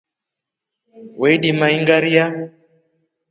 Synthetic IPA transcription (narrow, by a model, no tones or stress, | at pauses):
wɛiɗimaiŋɡaɾia